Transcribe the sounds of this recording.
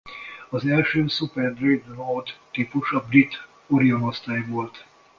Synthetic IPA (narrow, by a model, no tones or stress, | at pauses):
ɒzɛlʃøːsupɛrd̪rid̪nord̪ːipuʃɒbrit̪ | oɾionost̪aːjvo̞lt̪